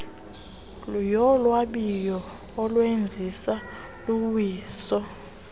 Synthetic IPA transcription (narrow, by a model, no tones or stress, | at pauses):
ljɔlwaɓijɔː | lwend͡zʱisa | luwiːsɔ